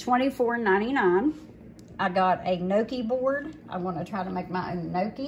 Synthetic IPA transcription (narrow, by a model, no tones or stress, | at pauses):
tʰw̥ɛ̃ɾ̃ifɔɹɨ̃nːãɪ̃ɾ̃inãɪ̃n | ʔaɪɡɑɾɨnoʊkibɔɹdʔã̰ɪ̃mɡɑnətʰɹ̥aɪɾəmeɪk̚maɪʔõ̰ʊ̃nːoʊki